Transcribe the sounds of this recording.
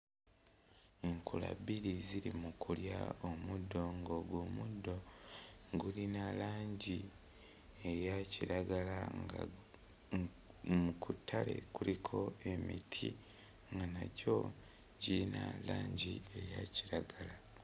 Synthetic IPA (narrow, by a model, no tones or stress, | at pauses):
eŋkʰula̰biɾiziɾimukuljaomudːo̞ŋɡoːɡwoːmudːo̞ | ɡulinalaːɲɟi | ejaciɾaɡalaŋ | mukʰutʰːale̞̰kuɾikʰo̞e̞mitʰi | ŋɡanaco̞ | ɟiina̰laːɲɟiejaciɾaɡala